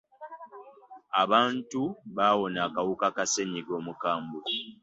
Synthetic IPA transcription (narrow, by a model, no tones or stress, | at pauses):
aβaːntuβaːwo̞naːkawukakaseɲiɡo̞ːmukaːmbu